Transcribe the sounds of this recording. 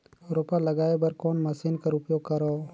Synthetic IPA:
ɾopalɐɡaːebɐɾkɔːnməsinkaɾʊpjoːɡ̚kəɾɔː

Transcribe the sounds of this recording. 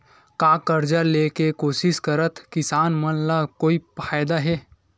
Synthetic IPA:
kaːkəɾd͡ʒaleːkekoːsɪʃkəɾət̪kɪsaːnmənlakoːipʰaːɪd̪aɦɛː

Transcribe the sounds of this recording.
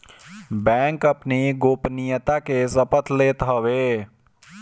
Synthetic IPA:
bɛ̃ːŋkəpneɡoːpnijət̪akesəpət̪leːt̪ɦəweː

